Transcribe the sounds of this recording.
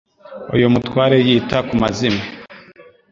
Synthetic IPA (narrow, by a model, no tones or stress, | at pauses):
o̰jomutwaːɾejiːtakumazime